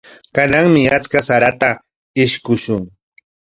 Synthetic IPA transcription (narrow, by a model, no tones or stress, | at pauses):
kanaŋmɪat͡skasaɾat̪a | ɪʃkʊʃʊŋ